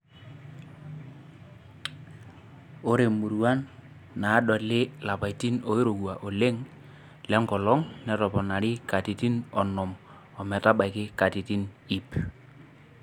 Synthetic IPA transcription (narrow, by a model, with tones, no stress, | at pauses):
o˦ɾe˨mu˨ɾu˨a˦nː | aː˨˦ɗɔ˨lɪ˦la˨pa˨i˨ti˦no˨˦i˦ɾo˨kwa˨ʔo˨le˦ŋ | lɛ˦ŋɡɔ˨lɔ˦ŋnɛ˨tɔ˨pɔ˨na˨ɾɪ˦ka˨ti˨ti˦nɔ˨nɔ˨m | ɔ˨mɛ˨ta˦ɓa˨ɪ˨kɪ˦ka˨ti˨ti˦ni˨p